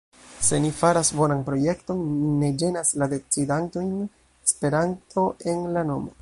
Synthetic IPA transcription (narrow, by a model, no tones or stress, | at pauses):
se̞nifaɾasbo̞nanpɾo̞je̞kto̞nːiːe̞d͡ʒe̞naslade̞t͡sidanto̞jn | e̥spe̞ɾantʰo̞ʔe̞nlano̞mo